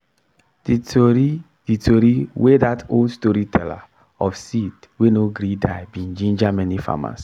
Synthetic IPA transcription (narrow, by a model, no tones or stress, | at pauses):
di | d̥itʰoɾiwedatoldstɔɾitʰɛla̰ | ɔfsit | wenoɡɾidaɪbĩnd͡ʒĩnd͡ʒamɛnifa̰ma̰s